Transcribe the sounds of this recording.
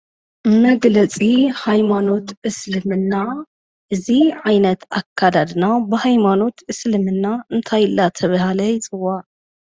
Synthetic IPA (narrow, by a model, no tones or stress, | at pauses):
mɐɡlɐt͡sʼihajmano̞t̪ɨslɨmɨnːa | ʔɨziʕajnɐt̪akʰːad̪ad̪nabɨhajmano̞t̪ɨslɨmɨnːaɨnt̪ʰajɨlːat̪ʰɐβahalɐjt͡sʼɨwa